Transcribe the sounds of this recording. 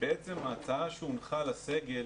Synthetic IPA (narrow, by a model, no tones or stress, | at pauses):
beet͡se̞maːt͡saaʃeunχalase̞ɡe̞l